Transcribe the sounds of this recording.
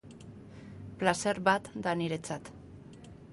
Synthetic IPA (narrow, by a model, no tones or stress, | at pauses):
plase̞ɾβat̪d̪aniɾe̞t͡sat̪